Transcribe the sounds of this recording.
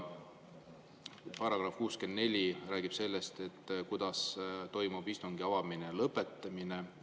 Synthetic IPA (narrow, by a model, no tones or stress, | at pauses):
pɑɾɑɡ̥rɑfkuːske̞nd̪ne̞lʲiræːɡ̥ib̥se̞lːe̞st̪e̞t̪ːˑkujd̪̥ɑst̪o̞jmub̥ist̪uŋɡiɑvɑminelɤpːˑe̞t̪ːˑɑmine